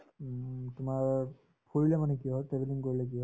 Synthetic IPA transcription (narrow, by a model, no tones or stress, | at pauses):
tumaɹ | pʰoilɛmanɛkijɔʈɾebiliŋkoɹilɛkiɔ